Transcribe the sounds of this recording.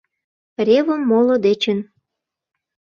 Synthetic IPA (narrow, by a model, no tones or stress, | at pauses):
rʲeβəmːolod̪et͡ɕən